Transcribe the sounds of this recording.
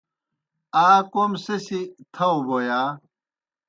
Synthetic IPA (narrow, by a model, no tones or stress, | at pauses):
aːkomsesit̪ʰɐwbojaː